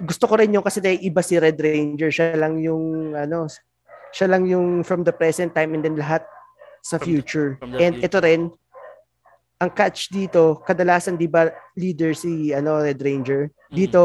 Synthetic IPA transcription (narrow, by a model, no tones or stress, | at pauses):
ɡʊst̪oko̞ɾɪnjʊŋkɐsɛnɐʔɪbasiɾɛd̪ɾejnd͡ʒɛɹʃalɐŋjʊŋʔɐno̞ | ʃalɐŋjʊŋfɾɐmd̪ɐpɹɛsɛnt̪ːajmʔɛnd̪ɛnlɐɦat̪̚ | sɐfjuːt͡ʃʊɹʔɛnd̪ʔɛt̪o̞ɾɛn | ʔɐŋkat͡ʃd̪iːt̪o̞kɐd̪ɐlaːsɐnd̪ibɐliːd̪ɛɹsiɐno̞ɾɛd̪ɾejnd͡ʒɛɹ | d̪iːt̪o̞